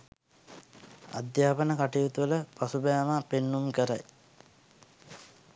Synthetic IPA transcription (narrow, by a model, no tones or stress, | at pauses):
a̰d̪jaːpənəkaʈijut̪uʋələpasubajamapenːumkəɾaj